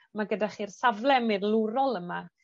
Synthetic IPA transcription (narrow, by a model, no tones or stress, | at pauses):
maɡədaχiːrsavlˠɛmirlˠuɾɔlˠəma